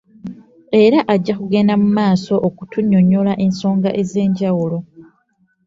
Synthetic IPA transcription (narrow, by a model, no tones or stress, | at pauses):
e̞ɾaʔaɟːakuɡe̞namumaːso̞ʔokutuɲːo̞ɲolaʔe̞nso̞ːŋɡaʔe̞ze̞ːɲɟawulo̞